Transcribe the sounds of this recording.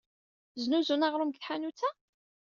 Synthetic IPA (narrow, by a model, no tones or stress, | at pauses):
znuzunaʁɾˤʊmɡθħanut͡sːæ